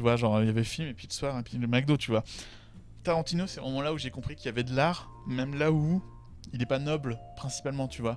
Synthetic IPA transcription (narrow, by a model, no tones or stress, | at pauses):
t̪yvwaʒɑ̃ʁjavɛfilmepɥiləswaʁepɥiləmɛk̚d̪ot̪ːt̪yvwa | t̪aʁɑ̃t̪inosɛsmɔmɑ̃lauʒekɔ̃pχikʲiljavɛd̪əlaʁ | mɛmlau | ilɛpanɔblpχɛ̃si̥palmɑ̃t̪yvwa